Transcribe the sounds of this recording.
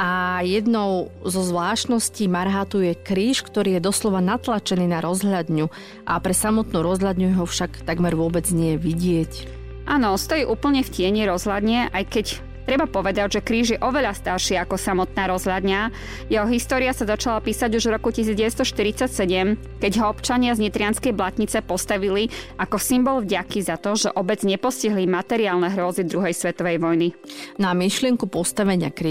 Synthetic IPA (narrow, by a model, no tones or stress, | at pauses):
ʔajɛd̪nɔʊzɔzʋlaːʃnɔsciːmaɾɦat̪ujɛkɾiːʃkt̪ɔɾiːjɛd̪ɔslɔʋanat̪lat͡ʃɛniːnaɾɔzɦʎad̪ɲu | ʔapɾɛsamɔt̪nuːɾɔzɦʎad̪ɲujɛɦɔfʃakt̪aɡmɛɾʋʊɔbɛd͡zɲɛjɛʋiɟɪɛc | ʔaːnɔst̪ɔjiʔuːpl̩ɲɛfcɪɛɲiɾɔzɦlad̪ɲɛʔajkɛc | t̪ɾɛbapɔʋɛd̪aɟʒɛkɾiːʒjɛʔɔʋɛʎast̪aɾʃiakɔsamɔt̪naːɾɔzɦʎad̪ɲa | jɛɦɔɦist̪ɔːɾiasazat͡ʃalapiːsaɟuʒvɾɔkucisiːd͡zɟɛʋɛst̪ɔʃt̪iɾit͡sacsɛɟɛm | kɛɟɦɔɔpt͡ʃaɲɪazɲit̪ɾɪanskɛjblat̪ɲit͡sɛpɔst̪aʋiliʔakɔsimbɔlvɟakizat̪ɔʒɛʔɔbɛd͡zɲɛpɔsciɦlimat̪ɛɾiaːlnɛɦɾʊɔzid̪ɾuɦɛjsʋɛt̪ɔʋɛjʋɔjninamiʃlɪɛŋkupɔst̪aʋɛɲɪakɾ